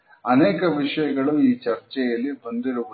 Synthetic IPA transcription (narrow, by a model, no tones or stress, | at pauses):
ɐneːkɐʋiʂɐjɐɡɐɭuiːt͡ʃɐɾt͡ʃɛjɐlːibond̪iɾuʋu